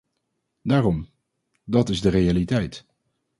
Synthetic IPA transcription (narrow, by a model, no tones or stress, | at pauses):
daːrɔm | dɑtɪzdərejalitɛjt